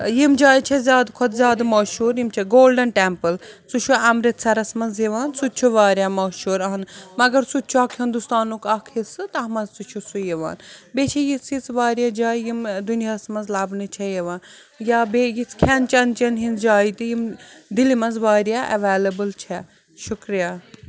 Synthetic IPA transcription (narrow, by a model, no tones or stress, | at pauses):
jimd͡ʒaːjt͡ʃʰezʲjaːd̪kʰod̪zʲaːd̪mɐːʃuːɾjimt͡ʃʰeɡoːlɖɐnʈempɨlt͡sut͡ʃʰuɐmɾit̪sʰɐɾɐsmɐnzjeʋaːnsut̪̚t͡ʃʰuʋaːɾʲjaːmɐːʃuːɾɐɦɐnmɐɡɐɾsut̪̚t͡ʃʰuakʰɦind̪ust̪aːnukɐkʰhisɨt̪ɐɦmɐzt͡sut͡ʃʰusujeʋa̰ːnbet͡ʃʰijit͡sʰit͡sʋaːɾjad͡ʒaːijimd̪unijasmɐnzlaːbnɨt͡ʃʰɛjeʋaːn | jabejit͡skʲʰɛnt͡ʃɐnt͡ʃɐnɦinzd͡ʒaːit̪ijimd̪ilimɐnzʋaːɾjaʔɐʋeːlɐbɨlt͡ʃʰɛ | ʃukɾijaː